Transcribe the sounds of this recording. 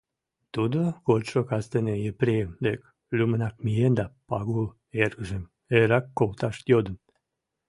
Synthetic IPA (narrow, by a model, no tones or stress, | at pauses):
t̪ud̪oɣot̪ʃokɑst̪enejepɾejəmd̪ek | lʲymənɑk̚mijend̪ɑpɑɣul | erɣəʒə̆m | eɾɑkːolt̪ɑʃt̪jod̪ən